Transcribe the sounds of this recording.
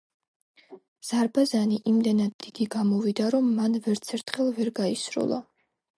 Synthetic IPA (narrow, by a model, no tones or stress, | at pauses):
z̥aɾbazaniʔimd̪ɛnad̪ːid̪̥iɡamɔvid̪aɾɔmːanvɛɾt̪sʰɛɾt̪ʰχɛlˠvɛɾɡaisɾṵlˠa̰